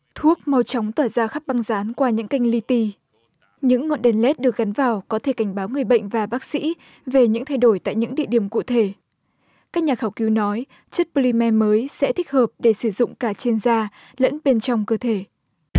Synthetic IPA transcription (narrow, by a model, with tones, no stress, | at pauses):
t̪ʰu˦˥ək̚mɔ˧wt͡ɕɔ˨˦wŋ͡mt̪waː˧˩zaː˧xa˦˥p̚ɓa˧ŋzaː˨˦nkwaː˧ɲɨ̰˧˥ŋka˧jŋ̟li˧t̪i˧ | ɲɨ̰˧˥ŋːo̰˧˨nɗɛ˧nlɛ˦˥t̚ɗɨ˨˩ək̚ɣa˨˦nvaː˨˩wkɔ˨˦t̪ʰe˧˩ka˧˩jŋ̟ɓaː˨˦wŋɨ˨˩əjɓə̰˧˨jŋ̟vaː˨˩ɓaː˦˥k̚sḭ˧˥ | ve˨˩ɲɨ̰˧˥ŋt̪ʰa˧jɗo˧˩jt̪a̰ː˧˨jɲɨ̰˧˥ŋɗḭ˧˨əɗi˧˩əmkṵ˧˨t̪ʰe˧˩ | kaː˦˥k̚ɲaː˨˩xaː˧˩wki˨˦wnɔ˨˦j | t͡ɕə˦˥t̚po˧li˧mɛ˧məː˨˦jsɛ̰˧˥t̪ʰï˦˥k̟̚həː˨˩p̚ɗe˧˩sɨ˧˩zʊ̰˧˨ŋ͡mkaː˧˩t͡ɕi˧nzaː˧ | lə̰˧˥nɓe˧nt͡ɕɔ˧wŋ͡mkəː˧t̪ʰe˧˩